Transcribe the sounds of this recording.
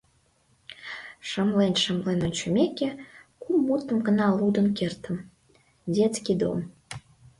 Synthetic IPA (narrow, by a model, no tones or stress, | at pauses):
ʃəmlenʃəmlenənt͡ɕumʲekʲekumːut̪ːəmɡə̆nɑlˠud̪ə̆nkert̪ə̆m | dʲet͡skʲid̪o̰m